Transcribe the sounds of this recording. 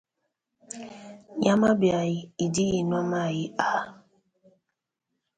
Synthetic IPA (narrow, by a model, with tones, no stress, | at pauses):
ɲa˦ma˦bja˨jɪ˦i˨di˦ɣi˨n˦a˦ma˦˨ɣɪ˦a˨˦